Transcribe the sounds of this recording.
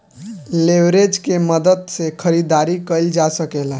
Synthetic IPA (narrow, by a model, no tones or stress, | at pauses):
leʋɾed͡ʒkeməd̪əd̪sekʰəɾid̪aɾikəld͡ʒasəkela